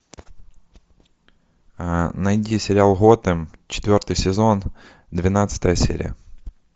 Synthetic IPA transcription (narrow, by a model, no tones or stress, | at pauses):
nɐjdʲisʲɪɾʲɪalˠɣɔt̪ɪmt͡ɕɪ̥t̪ʋʲɔrt̪ɨjsʲɪzon | d̪ʋʲɪnat̪sə̥t̪əjəsʲḛɾʲḭjə̰